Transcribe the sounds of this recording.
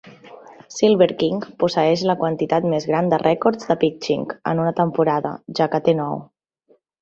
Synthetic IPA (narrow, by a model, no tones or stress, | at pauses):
silˠβəɾkiŋpusəɛʃləkwənt̪it̪at̪mezɣɾand̪ərʔɛkɔɾzd̪əpikt͡ʃḭŋkə̰nunət̪əmpuɾaðə̰ʒakət̪enɔw